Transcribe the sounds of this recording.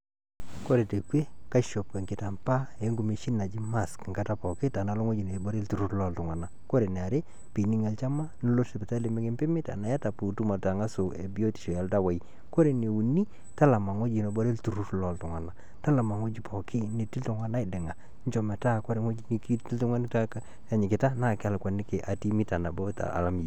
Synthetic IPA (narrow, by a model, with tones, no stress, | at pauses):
ko˦ɾe˨te˨kwe˦ka˦ʃɔ˨pke˨ŋkɪ˨ta˨mpa˦e˨˦ŋɡu˨me˨ʃi˦na˨d͡ʒi˦ma˦˨skŋɡa˦ta˦pɔ˨kɪ˦ta˨na˨˦lɔ˦ŋʷwo˦d͡ʒi˨ne˨bɔ˦ɾe˦ltu˨ɾu˦tlɔ˦˨ltʊ˨ŋwa˨na˨ko˦ɾe˨nɛ˨a˨ɾe˦ | pi˨ni˦ŋa˨lt͡ʃa˦ma˦no˦lo˦sɪ˨pɛ˨ta˦lɪ˨˦mɪ˦kɪ˦mpɪ˦mɪ˦ta̰˨na˨ja˦ta˨pu˨tu˦ma˨ta˨ŋa˦sʊ˨ḛ˨bi˦o˦ti̥˨ʃɔ˨ja˨lta˦wa˨i˦ | ko˦ɾe˨ne˨wu˨ni˦ | ta˦la˨ma˨ŋo˦d͡ʒi˨nɔ˨bɔ˦ɾe˦ltu˨ɾu˦tlɔ˨ltʊ˨ŋa˨na˨ | ta˦la˨ma˨ŋo˦d͡ʒi˦pʰɔ˨kʰɪ˦ne˨ti˦ltʊ˨˦ŋwa˨na˦ɪ˨dɪ˨ŋa˨ | ɲt͡ʃɔ˨mɛ˨ta˦ko˦ɾe˨ŋwo˦d͡ʒi˦ni˨ki˦ti˦ltʊ˦ŋa˦n˦ta˦k | a˨ɲɪ˨kɪ˨ta˦na˦˨kɪ˦a˨lkwa˨nɪ˦ke˨ʔa˨ti˦mɪ˦ta˨na˨bɔ˦ta̰˨a̰˨la˦mi˨